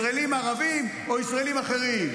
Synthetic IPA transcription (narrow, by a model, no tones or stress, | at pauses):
elimaʁavim | o̞isʁaelimaχe̞ʁim